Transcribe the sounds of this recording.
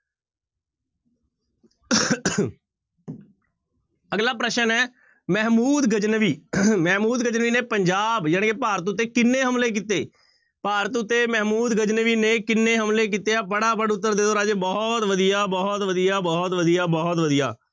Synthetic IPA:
əɡlaːpɾəʃənɛː | mɛːmuːd̪ɡəd͡ʒnəʋiːmɛːmuːd̪ɡəd͡ʒnəʋiːneːpəɲd͡ʒaːbjaːnkeːpaːɾət̪ʊt̪ːeːkɪnːeːɦəmleːk̬iːt̪eː | paːɾət̪ʊt̪ːeːmɛːmuːd̪ɡəd͡ʒnəʋiːneːkɪnːeːɦəmleːk̬iːt̪eːaːbəɽaːbəɽʊt̪̬ːəɾd̪eːoːɾaːd͡ʒeːbɔːt̪ʋəd̪ijaːbɔːt̪ʋəd̪ijaːbɔːt̪ʋəd̪ijaːbɔːt̪ʋəd̪ija̰ː

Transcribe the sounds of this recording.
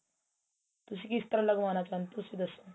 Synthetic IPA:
t̪us̬ikist̪ɾələɡmanat͡ɕant̪usid̪əso

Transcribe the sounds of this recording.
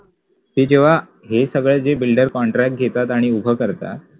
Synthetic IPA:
t̪ed͡ʑeʋ̤a | ɦesəɡɭed͡zebilɖəɾkɔɳʈɾak̚ʈ̚ɡʱet̪at̪aɽ̃iubʱəkəɾt̪a̰t̪̚

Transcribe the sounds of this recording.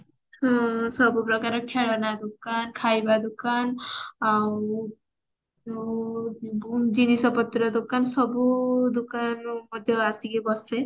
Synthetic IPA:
ɦɔ̃sɔbupɾɔkaɾɔkʰeɽɔnad̪ukankʰajbad̪ukanaw | d͡ʒinisɔpɔt̪ːɾɔd̪ukansɔbud̪ukanmɔd̪ʱjɔasikebɔse

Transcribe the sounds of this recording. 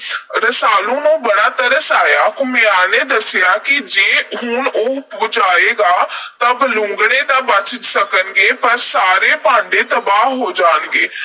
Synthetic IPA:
ɾəsaːlõːnũːbəɽ̃aːt̪əɾəsaːjaːkʊmɪjaːneːd̪əsjaːkid͡ʒeːɦʊnoːʊpud͡ʒaːeːɡaːt̪əblʊ̃ŋɡɽẽːd̪aːbət͡ʃt̪səkənɡeːpəɾsaːɾeːpãːɳɖeːt̪əbaːɦɦoːd͡ʒaːnɡeː

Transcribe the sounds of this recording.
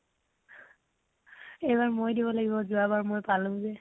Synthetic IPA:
ejbaɹmojdibɔlaɡibɔzʊabaɹmojpalʊ̃zɛ

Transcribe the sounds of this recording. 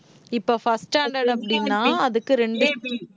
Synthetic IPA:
ɪpːoːfɐsʈaːɳɖɐɽɐpːɐɽɪnːaːɐðɯkːɯɾɛɳɖɯ

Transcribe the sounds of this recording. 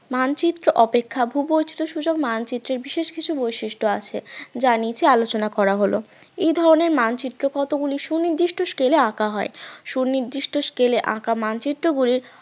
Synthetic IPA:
mant͡ɕit̪ːɾoʔɔpekʰːabʱubojt͡ɕʰi̥t̪oʃud͡ʑoɡmant͡ɕit̪ːɾeɾbiʃeʃkit͡ɕʰubojʃiʃʈoat͡ɕʰḛd͡ʑanit͡ɕʰealot͡ɕonakɔɾaɦolo̰ | ejd̪ʱɔɾoneɾmant͡ɕit̪ːɾokɔt̪oɡuliʃuniɾd̪iʃʈoʃkeleãkaɦɔeʃuniɾd̪iʃʈoʃkeleʔã̰kamant͡ɕit̪ːɾoɡuliɾ

